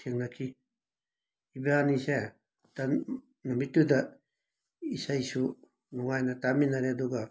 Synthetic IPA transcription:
tʰeŋnakʰi | ibeanisaa | ta | namitːuda | isajsu | nuŋajnataminaɾeaduɡa

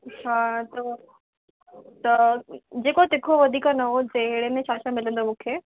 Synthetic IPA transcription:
hãːt̪ɐ | t̪ɐd͡ʑeːkot̪ɪkʰoʋɐd̪ʱiːkanɐɦot̪ɐɦɪɽemẽɕaːsãmɪlə̃nd̪omũːkʰeː

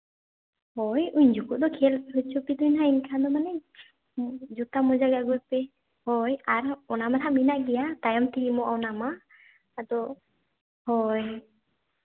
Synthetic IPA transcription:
hɔjuɲd͡ʒukud̪ɔkʰelɾut͡ʃʰopid̪uɲnainkʰand̪ɔmanɛ | d͡ʒut̪amɔd͡ʒaɡaɡujpe | hɔjaɾɔnamat̪ʰaminaʔɡɛjat̪ajɔmt̪ʰiimɔʔɔnamaː | d̪ɔ | hɔj

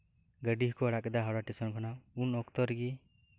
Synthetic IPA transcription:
ɡəɖiɦkɔaɽaʔkɛd̪aɦaɽaʈɛsɔnkʰɔnaunɔkt̪ɔɾɡi

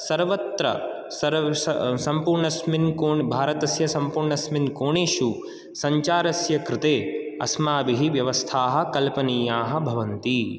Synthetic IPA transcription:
sɐɾʋɐt̪ɾɐ̰ | sɐɾsɐmpuːɾɳɐsminkoːbʱaːɾɐt̪ɐsjɐsɐmpuːɾɳɐsminkoːɳeːʃu | sɐɲt͡ʃaːɾɐsjɐkɾɪt̪eːɐ̰smaːbiɦiʋjɐʋɐst̪ʰaːɦɐ̆kɐlpɐniːjaːɦɐ̆bʱɐʋɐnt̪i

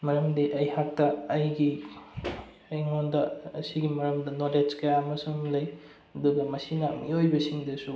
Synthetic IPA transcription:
mɐɾɐmdiʔɐjhak̚tɐːjɡi | ɐjŋondɐɐsiɡimɐɾɐmdɐnoled͡ʒkɐjaɐmɐsumlɐj | ɐduɡɐmɐsinɐ̰mḭojbɐsiŋdɐsu

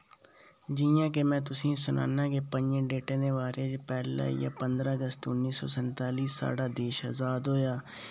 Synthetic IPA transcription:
d͡ʒɪjãːk̬emɛ̃ːt̪ʊsĩːsʊnʔa̰ːnãːkeːpəɲd͡ʒẽːɖeːʈẽːd̪eːʋaːɾeːd͡ʒpɛːla̰ːja̰ːpənd̪ɾaːəɡəst̪ʊnːiːsɔ̰ːsənt̪aːliːsa̰ːɖaːd̪eːʃaːzaːd̪ɦoːjaː

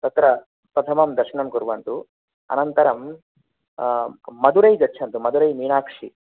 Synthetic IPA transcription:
t̪ɐt̪ɾɐ | pɾɐt̪ʰɐmɐmd̪ɐɾʂɐɳɐmkuɾʋɐnt̪u | ɐ̰nɐnt̪ɐɾɐm | mɐd̪uɾɐjɡɐtːt͡ʃʰɐnt̪umɐd̪uɾɐjniːɳaːkʂi

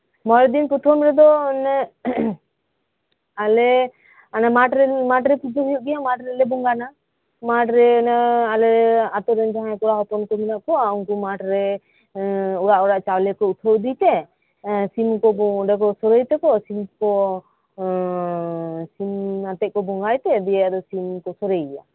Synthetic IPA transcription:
mɔɾd̪inkuʈʰɔmɾɛd̪ɔnɛ | alɛ | anamaʈɾɛmaʈɾɛpud͡ʒ̪ʱɔkijuʔ̚ɡɛjamaʈɾɛlɛbɔŋɡana | maʈɾɛnaalɛɾɛat̪ɔɾɛnd͡ʒaɦãkɔɾaɦɔpɔnkɔminaʔkɔauŋkumaʈɾɛ | ɔɽaʔɔɾaʔt͡ʃawlɛkɔut̪ʰəwd̪it̪ɛ | simkɔbɔɖɛk̬ɔsɔɾəjt̪ɛkɔsimkɔ | simat̪ɛʔ̪̚kɔbɔŋɡajt̪ɛd̪ɛjɛjad̪ɔsimkɔsɔɾəjɡɛja̰

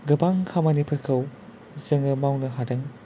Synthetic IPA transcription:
ɡɯbaŋkʰamɐnipʰɯɾkʰɐw | zɯŋɯmawnɐɦadɐŋ

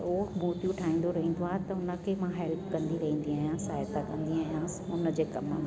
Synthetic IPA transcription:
oːmuːt̪jũʈʰaːɦĩːn̆d̪oɾɐɦĩːn̆d̪oaːɦt̪ɐʊnə̆kʰemãɦɛlpkɐ̃nd̪iɾɐɦĩːn̆d̪iaːjãːsaːjət̪akɐ̃nd̪iaːjãːʊnəd͡ʑeːkɐməm

